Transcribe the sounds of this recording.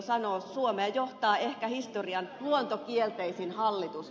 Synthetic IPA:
sɑnoːsuomeːjoht̪ɑːehkæhist̪oriɑnluont̪okielt̪eisinhɑlːit̪us

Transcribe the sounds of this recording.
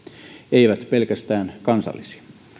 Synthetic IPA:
eiʋæt̪pelkæst̪æːnkɑnsɑ̰lːisi̥ɑ

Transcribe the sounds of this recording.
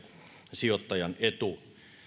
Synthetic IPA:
siot̪ːɑjɑnʔet̪u

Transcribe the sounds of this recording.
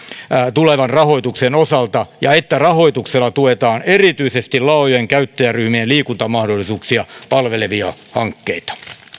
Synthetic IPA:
t̪uleʋɑnrɑho̞it̪uksenosɑlt̪ɑjɑet̪ːærɑho̞it̪ukselːɑt̪uet̪ɑːnerit̪yisest̪ilɑojoeŋkæyt̪ːæjæryhmielliːkunt̪ɑmɑhdolːˑisuːksiɑpɑlʋeleʋiɑhɑŋkːeit̪ɑ̥

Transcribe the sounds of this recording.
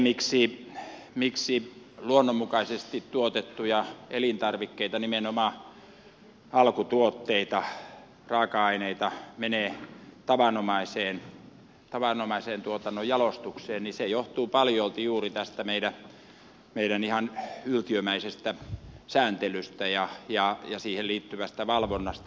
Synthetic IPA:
miksi | miksiluonːommukɑisest̪it̪t̪uot̪et̪ːujɑelint̪ɑrʋikːeit̪ɑnimenomɑː | ɑlkut̪uot̪ːeit̪ɑ | rɑːkɑɑineit̪ɑmeneːt̪ɑʋɑnomɑiseːn | t̪ɑʋɑnomɑiseːnt̪uot̪ɑnːojjɑlost̪ukseːnnisejoht̪uːpɑljolt̪ijuːrit̪æst̪æmeiɾæ | meiɾænihɑnylt̪iømæisest̪æsæːnt̪elyst̪æjɑjɑjɑsiːhelliːt̪ːyʋæst̪æʋɑlʋonːɑst̪

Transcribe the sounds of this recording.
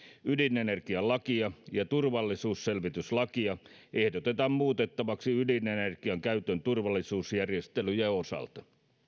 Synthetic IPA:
ydinenerkiɑlɑkiɑjɑt̪urʋɑlːisuːsselʋit̪yslɑkiɑehdot̪et̪ɑmmuːt̪et̪ːɑʋɑksiydinenerkiɑŋkæyt̪ønt̪urʋɑlːˑisuːsjærjest̪elyjæosɑ̰lt̪ɑ̥

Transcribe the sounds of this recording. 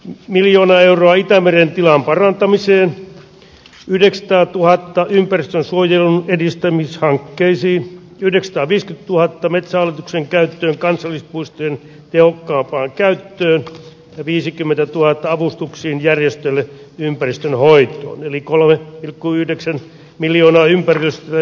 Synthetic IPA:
miljoːnɑeuroɑit̪æmerent̪ilɑmpɑrɑnt̪ɑmiseːn | yhdeksɑ̥t̪ɑːt̪uhɑt̪ːɑʔympærist̪ønsuojelunedist̪æmishɑŋkːeisiːn | yhdeksɑ̥t̪ɑːʋiːskyt̪t̪uhɑt̪ːɑmet̪sæɑlːet̪ukseŋkæyt̪ːøːŋkɑnsɑlːispuist̪ojen | t̪ehokːɑːmpɑːŋkæyt̪ːøːn | jɑʋiːsikymːent̪æt̪uhɑt̪ːɑɑʋust̪uksiːnjærjest̪ølːe | ympærist̪ønhoit̪ˑo̰ːnelikolmepilkːuyhdeksæn | miljoːnɑːympærilst̪

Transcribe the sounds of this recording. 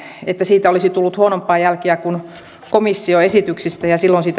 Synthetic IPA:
et̪ːæsiːt̪æolisit̪ulːut̪huonompːˑɑːjælkiækun | komisːioesit̪yksist̪æjɑsilːonsiːt̪

